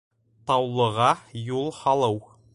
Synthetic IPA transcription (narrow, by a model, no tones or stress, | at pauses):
t̪ɑwlˠɤ̆ʁɑjulˠhɑlˠɤw